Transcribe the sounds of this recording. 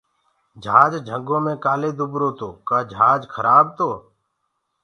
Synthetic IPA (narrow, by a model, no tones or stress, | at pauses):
d͡ʒʱaːd͡ʒd͡ʒʱəŋɡõːmẽːkaːleːd̪ʱʊbɾoːt̪oːkaːd͡ʒʱaːd͡ʒkʰəɾaːb̚t̪oː